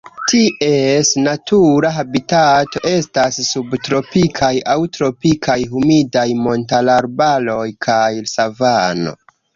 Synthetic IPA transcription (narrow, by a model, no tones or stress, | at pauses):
tʰie̞snatʰuɾaɦabitato̞ʔe̞stasːubtɾo̞pikʰajawtɾo̞pikʰajɦumidajmo̞ntalaɾbalo̞jkʰajsavano̞̰